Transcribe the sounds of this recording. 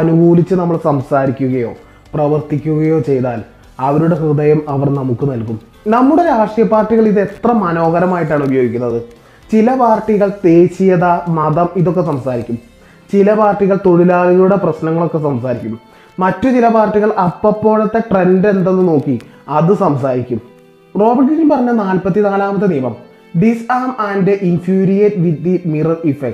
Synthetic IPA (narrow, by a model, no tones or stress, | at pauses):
ɐnuɡuːlit͡ɕːɨnɐmːɐɭsɐmsaːɾikʲːuɣɐjo̞̰ː | prɐʋɐrt̪ikʲːuɣɐjo̞ːt͡ɕe̞jt̪aːl | ɐʋɐɾuɽe̞hrɨd̪ɐjɐmɐʋɐrnɐmukːɨnɐlkum | nɐmːuɽe̞ɾaːʂijɐpːaːrʈːiɣɐɭiðet̪rɐmɐno̞ːɣɐɾɐmaːjiʈ̬ːaːɳubɐjoːɡikʲːunːɐðɨ | t͡ɕilɐpaːrʈːiɣɐɭt̪e̞ːɕijɐðɐmɐðɐmiðo̞kːesɐmsaːɾikʲːum | t͡ɕilɐpaːrʈːiɣɐɭt̪o̞ɻilaːɣɐɣuɽeprɐɕnɐŋːɐɭo̞kːe̞sɐmsaːɾikʲːum | mɐtːut͡ɕilɐpaːrʈːiɣɐɭɐpːɐpːo̞ːɻɐt̪ːe̞ʈre̞nɖe̞nd̪enːɨno̞ːkːi | ɐðɨsɐmsaːɾikʲːum | ro̞ːbiʈkːiɡinpɐrɐɲːɐnaːlpɐt̪ːinaːlaːmɐt̪ːɨnijɐmɐm | ɖisaːmandɨʔinfjuːɾijɐtʋid̪imirɐifek̚